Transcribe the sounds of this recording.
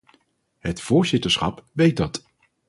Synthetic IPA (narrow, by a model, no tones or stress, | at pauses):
ɦətfʊːɹzɪtəɹsχɑ̰pʋejt̚dɑt